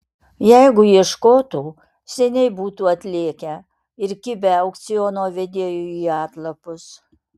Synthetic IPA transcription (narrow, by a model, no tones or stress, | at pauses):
jɛɪɡʊiɛʃkoːt̪uː | sʲɛnʲɛɪbuːt̪uːɐt̪ʲlʲeːkʲɛ | ɪɾkʲɪbʲɛɐʊkt̪sʲɪjoːnoːʋʲɛd̪ʲeːjuiːɑːt̪lˠɐpʊs